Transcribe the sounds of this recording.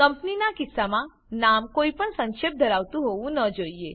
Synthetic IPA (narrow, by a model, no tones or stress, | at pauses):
kəmpninakisːamã | namkoipəɳsə̃ŋʃep̚d̪ʱəɾaʋt̪ũɦoʋũnəd͡ʒoie